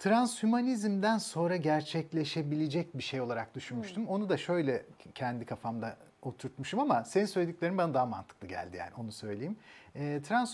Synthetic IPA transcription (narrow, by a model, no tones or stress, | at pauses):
t̪ʰɾanshymanizmd̪ænso̞nɾaɟæɾt͡ʃʰɛclʲe̞ʃe̞bilʲed͡ʒɛc̚biʃejo̞lˠaɾak̚d̪yʃunmuʃt̪ʰumo̞nud̪aʃø̞jlʲɛcʰɛnd̪ikʰafamd̪a | o̞t̪ʰuɾt̪muʃumamaseninsølʲed̪iclʲeɾinbanad̪aɦama̰nt̪ʰɯ̥k̚lˠɯɟæ̰lʲd̪ija̰ːnio̞nusø̞jlʲejimɛːt̪ʰɾans